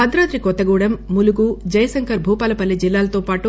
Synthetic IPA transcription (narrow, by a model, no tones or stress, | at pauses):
ɐd̪ɾɐːd̪ɾikɔt̪ːɐɡuːɽɐmːuluɡud͡ʒɐjɐsɐŋkɐɾbʱuːpaːlɐpɐlːid͡ʒilːaːlɐt̪oːpaːʈu